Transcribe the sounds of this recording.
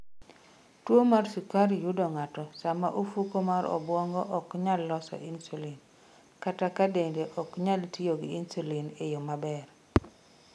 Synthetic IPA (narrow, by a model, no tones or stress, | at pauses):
twomarsukaɾijudɔŋatɔsama̰ʔofukomaɾɔ̰bwɔŋɡɔʔɔkɲalːɔsɔ̰ʔinsulin | katakadendeʔɔkɲaltijoɡinsulinejomabɛr